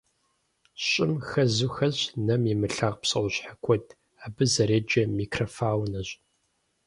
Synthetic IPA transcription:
ɕʼɪmxɐzuxɐʑnɐmimɨɬaːʁpsɐwʷʊɕħakʷʰɔdʰ | aːbɨzɐɾeːd͡ʒɐmiːkʰrɐfaːwnɐɕ

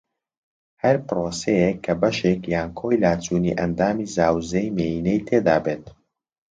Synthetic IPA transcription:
hɐɾpɾoːsejekʰːɐbɐʃekjaːnkʰoːjlaːt͡ʃuːnḭʔɐnd̪aːmizaːwzejmejiːnejt̪ʰeːd̪aːbeːt̪̚

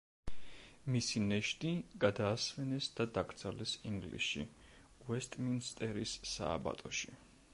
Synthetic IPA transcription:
misinɛʃt̪ʼiɡ̥ad̪aːsvɛnɛsd̪ad̪aɡɾt̪sʰalɛsiŋɡlḭʃḭ | uɛst̪ʼminst̪ʼɛɾisːa̰ːba̰t̪ʼɔʃi

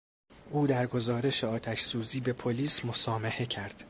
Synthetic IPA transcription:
ʔuːd̪æɾɡo̞zɒːɾe̞ʃeɒːt̪ʰæʃsuːziːbe̞pʰo̞liːsmo̞sɒːmehe̞cʰæɾd̪̥

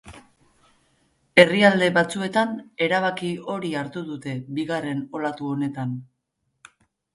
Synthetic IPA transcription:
e̞riald̪e̞βat͡sue̞t̪ane̞ɾaβ̞akio̞ɾiaɾt̪uðut̪e̞biɣare̞no̞lat̪uo̞ne̞t̪an

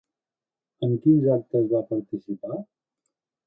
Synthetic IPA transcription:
əmkinzak̚t̪əzβapəɾt̪isipa

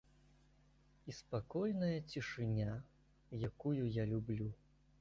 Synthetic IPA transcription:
ispakɔjnɐjɐt͡sʲiʂɨnʲa | jakujujalʲublʲu

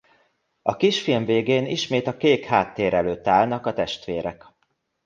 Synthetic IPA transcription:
ɒkiʃfilmveːɡeːniʃmeːt̪ɒkeːkhaːt̪ːeːɾɛløːt̪ːaːlnɒkɒt̪ɛʃt̪ʋeːɾɛk

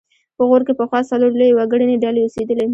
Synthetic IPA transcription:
pəɣoɾkepəxwɑsaloɾlojewaɡəɽəneɖaleosed̪əle

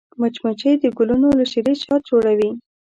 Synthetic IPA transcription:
mat͡ʃmat͡ʃəjd̪əɡʊlunolaʃiɾeʃɑt̪̚d͡ʒoɽawi

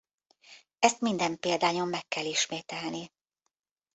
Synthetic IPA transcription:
ɛst̪mind̪ɛmpeːld̪aːɲo̞mːɛkːɛliʃmeːt̪ɛlni

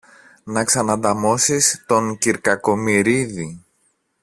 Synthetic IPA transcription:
nɐksɐnɐnd̪ɐmo̞sist̪o̞ŋciɾkɐko̞miɾiði

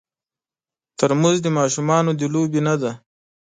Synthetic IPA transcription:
t̪əɾmuzd̪əmɑʃumɑnod̪əlobinad̪a

